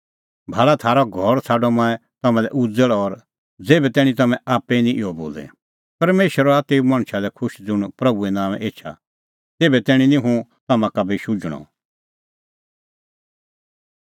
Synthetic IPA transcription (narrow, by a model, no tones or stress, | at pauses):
bʱaːɭat̪ʰaːɾɔɡʱɔɾt͡sʰaːɖɔmãːɛt̪ɐmãlɛ̰ʔʊd͡zəɭɔɾ | d͡zeːbɛt̪ɛːɽ̃ĩt̪ɐmɛ̃ʔaːpːɛinĩʔɪɔbo̰ːlɛ̰ | pɐɾmeːʃəɾɔaːt̪eumãːɽ̃ʃalɛkʰʊʃd͡zʊɽ̃pɾɐbuɛnãːmɛʔeːt͡ʃʰa̰ | t̪eːbɛt̪ɛːɽ̃ĩnĩɦũt̪ɐmãkabʱiʃʊd͡ʒɽ̃ɔ̰